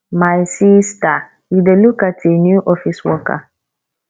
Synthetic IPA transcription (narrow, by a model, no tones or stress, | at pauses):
maɪsista | idelukatʰenjuʔɔfiswɔka̰